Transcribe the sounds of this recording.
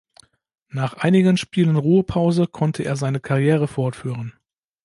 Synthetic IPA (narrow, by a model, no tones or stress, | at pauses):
naːχʔaɪnɪɡənʃpiːlənʁuːəpʰaʊzəkʰɔntʰəʔḛːɐzaɪnəkʰaʁjeːʁ̞əfɔɐtfyːʁən